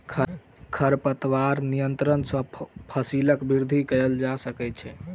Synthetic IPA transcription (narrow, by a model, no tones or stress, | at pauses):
kʰəɾpət̪ʋaɾnijənt̪ɾənsə̃pʰəsiləkbiɾd̪ʱikəjld͡ʒasəkɛtt͡ʃʰɛ